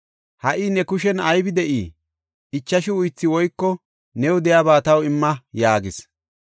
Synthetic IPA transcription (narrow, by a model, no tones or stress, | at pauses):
hɐʔinɛkʊʃɛnɐjbɪd̪ɛʔiː | ɪt͡ʃːɐʃɪʊjt͡sːɪwɔjkːɔ | nɛwd̪ɛjaːbaːt̪ɐwɪmːɐjaːɡɪs